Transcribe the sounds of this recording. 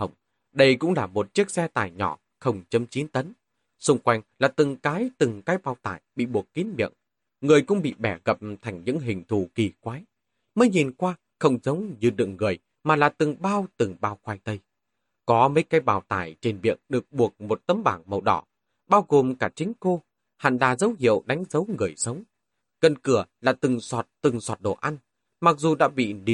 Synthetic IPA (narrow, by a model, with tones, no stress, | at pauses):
hə˨˧˩wŋ͡m | ɗə˧jkʊ̰˧˥ŋ͡mlaː˨˩mo˨˩t̚t͡ɕi˦˥ək̚sɛ˧t̪a̰ː˧˩jɲɔ̰˧˩ | xə˧wŋ͡mt͡ɕə˨˦mt͡ɕi˨˦nt̪ə˨˦n | sʊ˧ŋ͡mkwa˧jŋ̟laː˨˩t̪ɨ˨˩ŋkaː˨˦jt̪ɨ˨˩ŋkaː˨˦jɓaː˧˩wt̪a̰ː˧˩jɓḭ˧˨ɓu˨˩əkːi˨˦ənɓḭ˧˨əŋ | ŋɨ˨˩əjkʊ̰˧˥ŋ͡mɓḭ˧˨ɓɛ˧˩ɣə˨˩p̚t̪ʰa˨˩jŋ̟ɲɨ̰˧˥ŋɦï˨˩ŋ̟t̪ʰu˧˩ki˧˩kwaː˨˦j | məː˨˦jɲi˨˩nkwaː˧ | xə˧wŋ͡mzə˨˦wŋ͡mɲɨ˧ɗɨ̰˧˨əŋːɨ˨˩əj | maː˨˩laː˨˩t̪ɨ˨˩ŋɓaː˧wt̪ɨ˨˩ŋɓaː˧wxwaː˧jt̪ə˧j | kɔ˨˦mə˨˦jkaː˨˦jɓaː˧˩wt̪aː˧˩jt͡ɕe˧nɓḭ˧˨əŋɗɨ˨˩ək̚ɓu˨˩ək̚mo˨˩t̚t̪ə˨˧mɓaː˧˩nmə˨˩wɗɔ̰˧˩ | ɓaː˧wɣo˨˩mkaː˧˩t͡ɕï˨˦ŋ̟ko˧ | ha̰˧˨nla̰ː˨˩zə˨˦wɦḭ˧˨əwɗa˨˦jŋ̟zə˨˦wŋɨ˨˩əjsə˨˦wŋ͡m | kə˧nkɨ˧˩əla̰ː˨˩t̪ɨ˨˩ŋswɔ˨˩t̚t̪ɨ˨˩ŋswa˨˩t̚ɗo̰˧˩ʔa˧jŋ̟ | ma˨˩k̚zu˨˩ɗa̰ː˧˥ɓḭ˧˨ni˧˩